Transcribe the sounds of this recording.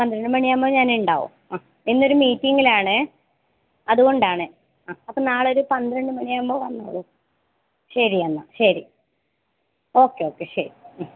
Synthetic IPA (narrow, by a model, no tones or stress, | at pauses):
pɐnd̪iɾɐɳɖɨmɐɳijaːmbo̞ːɲaːnuɳɖa̰ːʋṵmaː | enːo̞ɾumiːtːiŋːilaːɳɨ | ɐðuɣo̞ɳɖaːɳɨ | aːɐpːoːnaːɭo̞ɾupɐnd̪iɾɐɳɖɨmɐɳijaːmbo̞ːʋɐnːa̰ːɭu | ɕɐɾiɐnːa̰ɕɐɾi | o̞ːkːeo̞ːkːe̞ɕɐ̰ɾi